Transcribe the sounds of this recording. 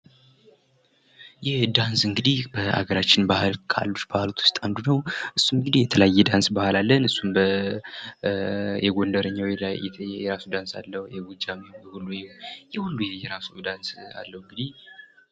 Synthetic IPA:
jɛhd̪ansɨŋɡɨd̪ihb̥əʔa̰ɡəɾat͡ʃːɪnbahɨlkʰa̰lːut͡ʃbahɨlot̪wʊ̥st̪ʼand̪unəwʔɨsːunɨŋɡɨd̪ihjɛt̪ʰələajːɛd̪ansbahalalːənɨsːunbə | jɛɡo̞nd̪əɾəɲːawilajɛjɛɾasud̪ansa̰lːəhjɛɡud͡ʒamibɛhulːujɛjɛhulːujɛjɛɾasud̪ansa̰lːəhɨŋɡɨd̪ih

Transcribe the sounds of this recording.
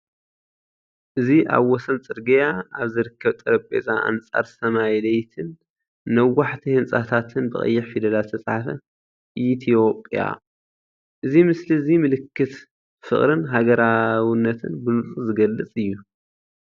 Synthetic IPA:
ʔɨziʔa̰βwɔsɐnt͡sʼɨɾɡɐjaaβzɨɾɨkʰːɐβt̪ʼɐɾɐpʼḛzʼaa̰nt͡sʼa̰ɾsɐmajlɐjt̪ʰɨnː | ɐwːaħt̪ʰihɨnt͡sʼat̪ʰat̪ʰɨnbɨχʼɐ̰jːɪħfid̪ɐlalt̪ʰɐt͡sʼħafɐ | ʔit̪ʰijo̞pʼja̰ | ʔɨzimɨslizimɨlɨkːɨt̪ | fɨχʼɾɨnɦaɡɐɾawɨnːɐt̪ʰɨ̰nbɨnɨsʼuzɨɡɐlːɨt͡sʼɨjːu

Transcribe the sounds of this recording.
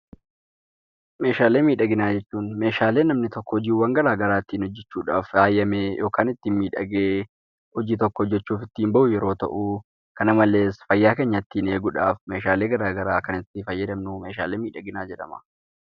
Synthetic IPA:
me̞ːʃaːle̞ːmiːᶑɐɡɪnaːd͡ʒɛt͡ʃːuːnme̞ːʃaːle̞ːnːɐmnɪt̪ɔkːɔɔd͡ʒiːwɐŋɡɐɾaːɡɐɾaːt̪ːiːnhɔd͡ʒːɛt͡ʃːuːᶑa̰ːfaːjːɐmeːjʔo̞ːkaːnɪt̪ːɪnmiːᶑɐ̰ɡeː | hɔd͡ʒiːt̪ɔkːɔɔd͡ʒːɛt͡ʃːuːfɪt̪ːiːmbɐʔʊjɛɾo̞ːt̪ɐ̰ʔu | kɐnɐmɐle̞ːsfɐjːaːkeːɲːɐt̪ːiːne̞ːɡʊᶑa̰ːfme̞ːʃaːle̞ːɡɐɾaːɡɐɾaːkɐnɪt̪ːɪfɐjːɐd̪ɐmnume̞ːʃa̰ːle̞ːmiːᶑɐɡɪnaːd͡ʒɛᶑɐ̰mɐ̥

